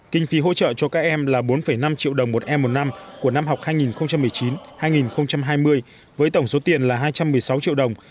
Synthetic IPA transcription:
kï˧ŋ̟fi˨˦ɦo̰˧˥t͡ɕə̰ː˧˨t͡ɕɔ˧kaː˦˥k̚ʔɛ˧mlaː˨˩ɓo˨˦nfə˧˩jna˧mt͡ɕḭ˧˨wɗə˨˩wŋ͡mmo˨˩t̚ʔɛ˧mːo˨˩t̚na˧mku˧˩əna˧mɦa˨˩wk͡p̚haː˧jŋi˨˩nxə˧wŋ͡mt͡ɕa˧mːɨ˨˩əjt͡ɕi˨˦nhaː˧jŋi˨˩nxə˧wŋ͡mt͡ɕa˧mɦaː˧jmɨ˧əj | vəː˨˦jt̪ə˧˩wŋ͡mso˨˦t̪i˨˩ənlaː˨˩ɦaː˧jt͡ɕa˧mːɨ˨˩əjsa˨˦wt͡ɕḭ˧˨əwɗə˨˩wŋ͡m

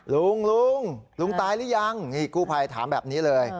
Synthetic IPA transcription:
lu˧˩ŋlu˧˥˩ŋlu˧ŋt̪aː˧jlɯː˦˥˩ja˧˩ŋi˧˩kuː˥˩pʰa˧jt̪ʰaː˩˦mbɛ̰ː˨˩p̚niː˦˥lɤː˧j

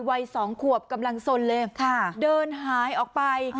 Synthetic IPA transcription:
wa˧jsɔː˩˦ŋkʰu˨˩əp̚ka˧mla˧ŋso˧nlɤː˧jkʰa˧˩dɤː˧nɦaː˩˦jʔɔː˨˩k̚pa˧j

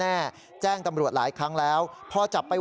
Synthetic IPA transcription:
aː˥˩ | t͡ɕɛː˥˩ŋt̪a˧mɾu˨˩ət̪̚laː˩˦jkʰɾa˦˥ŋlɛː˦˥wpʰɔ˧˥t͡ɕa˨˩pːa˧

